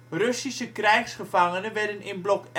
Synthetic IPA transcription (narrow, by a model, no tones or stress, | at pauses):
røsisəkrɛjxsχəfaŋənəʋɛrdənɪnblɔk